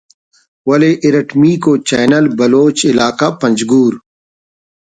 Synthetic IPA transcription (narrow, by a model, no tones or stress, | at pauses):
wɐleʔɪɾɐʈmiːkot͡ʃaːnɐlbɐloːt͡ʃɪlaːkapɐ̃nʲd͡ʑɡuːɾ